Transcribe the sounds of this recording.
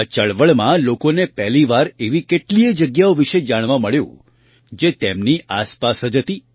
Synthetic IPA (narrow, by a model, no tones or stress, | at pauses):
ət͡ʃəɭʋəɭmãlokonepɛɦliʋaɾeʋikeʈliəd͡ʒəɡjaoʋiʃed͡ʒaɽ̃ʋãməɭjṵ̃ | d͡ʒet̪emniʔaspasɦəd͡ʒɦət̪i